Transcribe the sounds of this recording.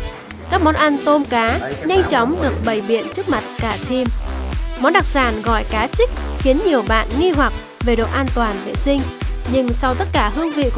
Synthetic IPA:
kaː˦˥k̚mɔ˨˦nʔa˧nt̪o˧mkaː˨˦ɲa˧jŋ̟t͡ɕɔ˨˦wŋ͡mɗɨ˨˩ək̚ɓə˨˩jɓḭ˧˨ənt͡ɕɨ˦˥ək̚ma˨˩t̚kaː˧˩t̪ʰi˧mmɔ˨˦nɗa˨˩k̚saː˧˩nɣɔ̰˧˨jkaː˨˦t͡ɕï˦˥k̟̚xi˨˦ənɲi˨˩əwɓa̰ː˧˨nŋi˧ɦwa˨˩k̚ | ve˨˩ɗo̰˧˨ʔaː˧nt̪waː˨˩nvḛ˧˨˩sï˧ŋ̟ɲɨ˧ŋsa˧wt̪ə˦˥t̚kaː˧˩ɦɨ˧əŋvḭ˧˨k

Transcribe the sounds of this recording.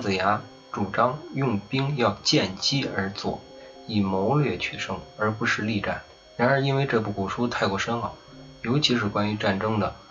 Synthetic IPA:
t͡s̩˨˩ja˧˥ | ʈ͡ʂu˨˩ʈ͡ʂɑ˥ŋjʊ˥˩ŋpi˥ŋjɑ˥˧ʊt͡ɕjɛ˥˩nt͡ɕi˥ə˞˧˥t͡swɔ̰˥˩ | i˨˩mo˧˥ʊlɥɛ˥˩t͡ɕʰy˥˩ʂɤ˥˩ŋə˞˧˥pu˧˥ʂɻ̩˥˧li˥˧ʈ͡ʂa̰˥˩n | ɻa˧˥nə˞˧˥i˥nwe˥˧ɪʈ͡ʂɤ˥˧pu˥˩ku˨˩ʂu˥t̪ʰa˥˧ɪkwɔ˥˩ʂə˥nxɑ˨˩ʊ | jo˧˥ʊt͡ɕʰi˧˥ʂɻ̩˥˩kwa˥ny˧˥ʈ͡ʂa˥˩nʈ͡ʂɤ˥ŋd̪ə˨

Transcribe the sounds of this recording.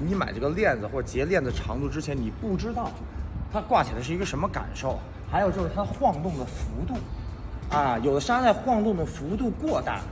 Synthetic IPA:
ni˧˥ma̰˨˩ɪʈ͡ʂɤ˥˩ɡə˩ljɛ˥˩nd͡zɹ̩˩xwɔ˥˩ə˩t͡ɕjɛ˧˥ljɛ˥˩nd͡zə˩ʈ͡ʂʰɑ˧˥ŋt̪u˥˧ʈ͡ʂɻ̩˥t͡ɕʰjɛ˧˥nni˨˩pu˥˩ʈ͡ʂɻ̩˥t̪ɑ˥˩ʊt̪ʰa˥kwa˥˩t͡ɕʰi˨˩la˧ʂɻ̩˥˩i˧˥ɡə˧ʂə˧˥mə˧ka̰˨˩nʂo˥˩ʊ | xa˧˥ɪo˨˩ʈ͡ʂɤ˥˩ə˧˩t̪ʰa˥ə˧xwɑ˥˧ŋt̪ʊ˥˩ŋd̪ə˩fu˧˥t̪u˥˩ | a˧jo˨˩d̪ə˦ʂa˥t͡sa˥˧ɪxwɑ˥˧ŋt̪ʊ˥˩ŋd̪ə˩fu˧˥t̪̬u˥˧kwɔ˥˧t̪a̰˥˩

